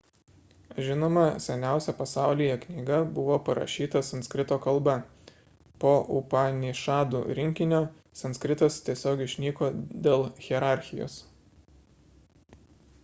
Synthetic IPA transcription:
ʒʲɪnoːmɐsʲɛnʲæˑʊsʲɛpɐsɑˑʊlʲijɛknʲiːɡɐbʊʋoːpɐɾɐ̰ʃʲiːt̪ɐsɐntskɾʲɪt̪oːkɐlˠbɛ | poːʔʊ̰pɑnʲiʃɑːd̪ṵːɾʲɪŋʲkʲɪnʲoː | sɐnsʲkɾʲɪt̪ɐst̪ʲiɛsʲoːɡʲɪʃʲnʲiːkoːd̪ʲeːlˠxʲɛɾɑˑɾʲxʲɪjo̰ːs

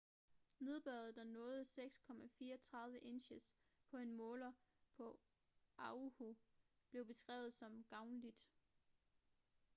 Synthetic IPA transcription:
ne̝ð̞ˠb̥ɶɐðˠd̥ænɔ̽ːð̞ˠəseɡ̥skʰɒ̽mæfiːɐt͡sʰʁɑ̈ðˠʋəʔe̝nɕəs | pʰɒ̽e̝nmɔ̽ːlɐpʰɒ̽ | ʔɑ̈ho | b̥le̝ʊb̥e̝sɡ̥ʁɛ̰ːʊð̩ˠsɒ̽mɡ̥ɑ̈ʊnəlid̥

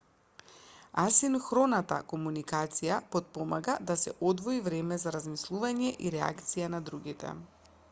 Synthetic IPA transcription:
asinxɾɔnat̪a̰kɔmunikat̪sijapɔt̪̚pɔmaɡad̪asɛ̰ʔɔd̪vɔivɾɛmɛzaɾazmislˠuvaɲɛʔiɾɛa̰kt̪sijanad̪ɾuɡit̪ɛ̰

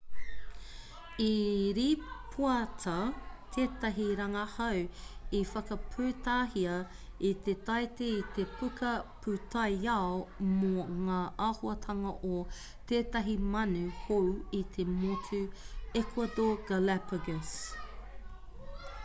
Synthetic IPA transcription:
iɾipʰuɐtʰɐt̪ʰeːtɐɦiɾɐŋɐhɐwifɐkɐpʰʉːtaːhiɐ | it̪et̪ɐjt̪eit̪epʰukʰɐpʰut̪ʰajaomoŋaːʔaːhoɐtʰɐŋɐʔo | t̪eːtɐɦimɐnʉhowit̪ʰemotʰʉ | ekʰwɐd̪oɡalɛpəɡəs

